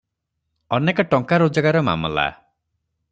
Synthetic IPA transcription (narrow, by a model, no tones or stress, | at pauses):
ɔnekɔʈɔŋkaɾod͡ʒɔɡaɾɔma̰mɔ̰la̰